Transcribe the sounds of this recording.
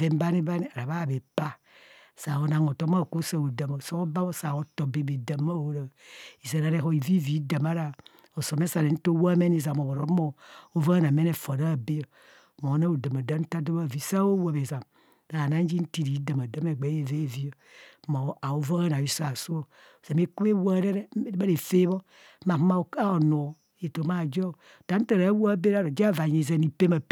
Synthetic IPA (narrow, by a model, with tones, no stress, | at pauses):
ve˦m˦ba˦ni˦ba˦ni˦a˨ɾa˨ba˦˨be˨pa˦˨ | sa˨o˨na˨ŋo˨to˦m˦a˦˨ko˦sa˨o˨da˨mo˨so˦o˦ba˦bo˦sa˨o˨to˨be˨be˨da˨ma˦˨wo˨˦ɾa˨i˨za˨ɾa˨ɾe˦ɦo˦i˨vi˦vi˨˦da˨ma˦ɾa˨ | o˨so˨m˦e˦sa˨ne˨n̩˦to˦wo˦me˦n˦i˨za˨mo˨o˨ɾo˨˦mo˨o˦va˦a˦na˨me˦ne˨fo˨ɾa˦˨be˦jo˨ | mo˨˦na˦o˨da˨ma˨da˦n̩˦ta˦do˦ba˦˨vi˦sa˦o˦wo˨be˨za˨m | ɾa˨na˦n˦d͡ʒi˦n̩˦ti˦ɾi˨˦da˨ma˨da˦me˨ɡ͡be˨˦je˨ve˦˨vi˦jo˨˦mo˨a˨o˦vo˦ɣa˦n˨a˨ji˦sa˨so˦o˦˨ | za˨me˦ku˦e˦wo˦ɾe˦ɾe˦a˦ɾe˨fe˦βo˦ | ma˨˦ma˦˨ka˦o˨no˨ | e˨to˨˦ma˦˨d͡ʒo˦˨d̥a˨˦n̩˦ta˨ɾa˨˦wo˦be˦ɾa˦˨ɾo˨d͡ʒa˦˨va˨ɲe˨ze˦˨ni˨pe˦ma˨p